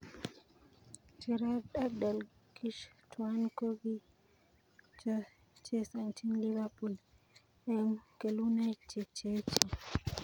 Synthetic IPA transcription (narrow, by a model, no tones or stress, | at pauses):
t͡ʃiɾaɗabdal | kiʃtuankoɡi | t͡ʃɔ | t͡ʃɛsantʰinlivapul | ʔɛmkelunat͡ʃɛt͡ʃɛt͡ʃɛ